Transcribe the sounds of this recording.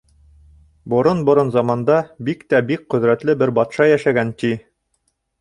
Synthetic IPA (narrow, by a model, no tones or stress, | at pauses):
bŏɾonbŏɾonzɑmɑnd̪ɑbikt̪æbik̚qɵ̆ðɾæt̪lɘbɘɾbɑt̪ʃɑjæʃæɡænt̪i